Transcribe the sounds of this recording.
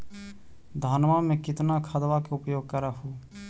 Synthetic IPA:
d̪ʱaːnʋamẽkɪt̪nakʰəd̪ʋakeʊpjoːɡ̚kəɾaɦuː

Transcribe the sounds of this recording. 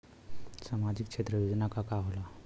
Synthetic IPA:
samad͡ʑikʂʰet̪ɾəʋid̪nakakaɦola

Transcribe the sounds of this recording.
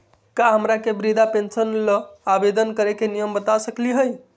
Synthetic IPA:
kaɦəmɾakebɾid̪ʱapensənləabed̪ənkəɾekenijəmbət̪asəkliɦəj

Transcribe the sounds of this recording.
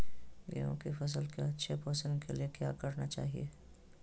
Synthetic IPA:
ɡɛ̰jõ̰kifɐs̬əlkeɐtːʃʰepɔːsə̃nd̪keliekja̰ːkɐɾnat͡ʃa̰ːɦḭḛː

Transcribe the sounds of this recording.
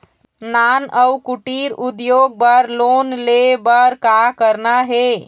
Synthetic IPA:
nanəwkuʈiɾud̪joɡ̚bəɾlonlebəɾkakəɾnaɦe

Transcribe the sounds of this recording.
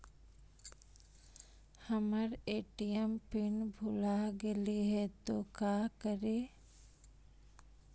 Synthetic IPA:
həməɾeːʈijəmpɪnbʱʊlaɡeliɦɛt̪oːkaːkəɾeː

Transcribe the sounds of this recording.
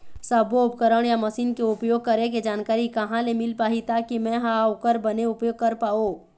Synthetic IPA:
sɐboʊp̚kəɾəɽ̃jamɐsiːnkeʊpjoːɡ̚kɐɾẽk̬ed͡ʒaːnkaːɾikɐɦãlemɪlpaːɦit̪akimɛ̃ɦaʊkəɾbɐneʊpjoːɡ̚kɐɾpaːoː

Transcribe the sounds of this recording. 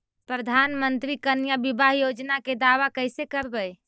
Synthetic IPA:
pɾəd̪ʱanmənt̪ɾikənjabibaɦjod͡ʒnaked̪aʋakəjsekəɾbəj

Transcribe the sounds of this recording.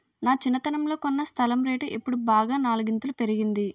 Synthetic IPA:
naːt͡ʃinːɐt̪ɐnɐmlo̞ːkonːɐst̪ʰɐlɐmɾeːʈuʔepːuɽubaːɡaːnaːluɡint̪ulupe̞ɾiɡind̪i

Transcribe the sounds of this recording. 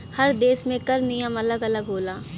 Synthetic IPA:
hɐɾd̪eːsmẽkɐɾnijəmɐləɡɐləɡɦoːlaː

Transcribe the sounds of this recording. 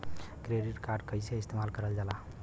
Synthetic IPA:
kɾeɖiʈkaɾɖkəjseɪst̪emalkəɾəld͡ʒala

